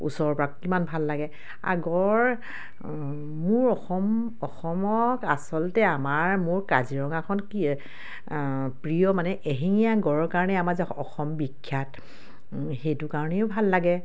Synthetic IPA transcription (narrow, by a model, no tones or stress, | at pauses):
ṵsɔɹpɔɹakkimanbʱalːaɡɛ | a̰ɡɔɹ | mʊɹɔxɔm | ɔxɔmɔkasɔltɛamaɹmʊɹkaziɹɔŋakʰɔnk | pɹijɔmanɛʔeɦiŋijaɡɔɹɔkaɹɔnɛamaɹzɔxɔmbikʰːjat | xejtʊkaɹɔnɛʊbʱalːaɡɛ